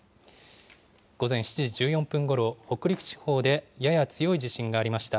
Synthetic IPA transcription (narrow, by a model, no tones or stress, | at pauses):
ɡ̥o̞zẽ̞ɰ̃ɕi̥t͡ɕiʑid͡ʑɨːjõ̞mpɯ̃ŋɡo̞ɾo̞ho̞kɯ̟ɾʲikɯ̟̥t͡ɕi̥ho̞ːd̪e̞jajat͡sɨjo̞id͡ʑiɕĩŋɡaːɾʲimaɕi̥t̪a